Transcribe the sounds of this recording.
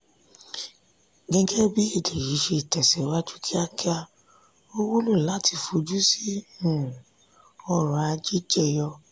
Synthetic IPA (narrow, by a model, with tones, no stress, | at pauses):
ɡɛ̃˧ɡɛ˦bi˦e˦˨de˨ji˨˦ʃe˧i˨tɛ˨sɛ˨˦wa˦d͡ʒu˦kʰi˦a˧ki˦a˧ | o˦wu˦lu˦˨la˨˦ti˧˨fo˨˧d͡ʒu˦si˦ũ˦˨ | ɔ˧ɾa˨a˧d͡ʒi˦d͡ʒɛ˦˨jɔ˧